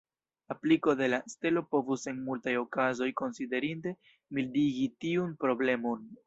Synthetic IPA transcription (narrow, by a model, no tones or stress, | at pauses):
apliko̞de̞laste̞lo̞po̞vuse̞nmultajo̞kazo̞jko̞nside̞ɾinte̞ | mildiɡitiunpɾo̞ble̞mo̞n